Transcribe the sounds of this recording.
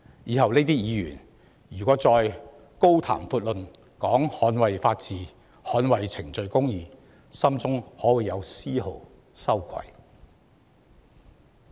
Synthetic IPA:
jiː˨˧hɐ˨wne˥t̪iː˥jiː˨˧jy̰ː˨˩n | jyː˨˩kʷɔː˨˥t͡sɔː˧j | ko˥wt̪ʰa̰ː˨˩mfuː˧t̚lɵ˨n | kɔː˨˥ŋhɔː˨˥nwɐ˨jfaː˧t̚t͡siː˨ | hɔː˨˥nwɐ˨jt͡sʰɪ˨˩ŋt͡ʃɵ˧ɥkʊ˥ŋjiː˨˧ | sɐ˥mt͡sʊ˥ŋhɔː˨˥wuː˨˩jɐ˨˧wsiː˥ho˨w | sɐ˥wkʷʰɐ̰˨˩j

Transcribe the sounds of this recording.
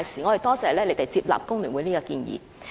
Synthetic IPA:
jsiː˨˩ŋɔː˨˧hɐ˨˩t̪ɔː˥sɛː˨˧˩lɛː˥le˨˧jt̪e˨jt͡siː˧p̚la̰ː˨p̚kʊ˥ŋlyː˨˩wu˨˧jniː˥kɔː˧kiː˧njḭː˨˧

